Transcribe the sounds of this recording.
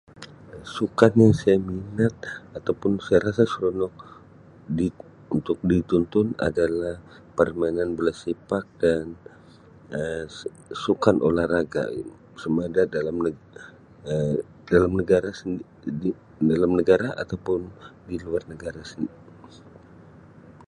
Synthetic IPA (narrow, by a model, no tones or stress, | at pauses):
sukanjaŋsajaminat̪̚at̪awpʊnsajaɾasasəɾɔnɔk̚ | di | unt̪ʊk̚dit̪unt̪ʊna̰dalah | pərmainanbəlasepak̚dan | ə | sukanʔo̰lahraɡa̰ | səmadadalam | ə | dalamnəɡaɾas | dalamnəɡaɾaʔa̰t̪awpʊndiluarnəɡaɾasəni